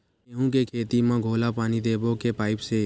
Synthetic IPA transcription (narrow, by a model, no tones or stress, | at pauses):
eɦũkekʰeːt̪imãːɡʱolapaːñid̪ebokepaːɪpʃe